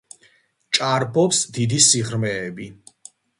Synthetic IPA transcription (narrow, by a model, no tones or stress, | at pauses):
t͡ʃʼaɾbʰɔpsd̪id̪isiʁɾmɛːbi